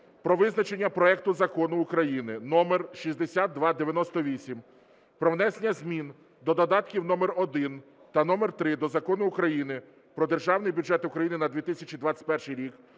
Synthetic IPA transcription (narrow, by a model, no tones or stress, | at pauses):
pɾɔʋɪznɐt͡ʃe̞nʲːɐpɾɔɛkt̪ʊzɐkɔnʊːkɾɐjinɪnɔmerʃisʲd̪esʲat̪̚ːʋɑd̪eʋʲjɐnɔst̪ɔʋʲisʲim | pɾɔwnɛsenʲːɐzʲmʲin | d̪ɔd̪ɔd̪ɑt̪kʲiwnɔmerɔd̪ɪn | t̪ɐnɔmɛrt̪ɾɪd̪ɔzɐkɔnʊːkɾɐjinɪ | pɾɔd̪erʒɑwnɪjbʲuʒɛt̪ʊkɾɐjinɪnɐd̪ʋʲit̪isʲɐt͡ʃʲid̪ʋɑt͡sʲɐ̥t̪̚ʲpɛrʃɪjɾʲik